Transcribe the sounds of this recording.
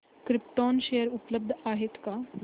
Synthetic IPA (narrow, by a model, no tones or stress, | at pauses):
kɾip̚ʈɔnɕejəɾupləb̚d̪ʱaɦet̪ka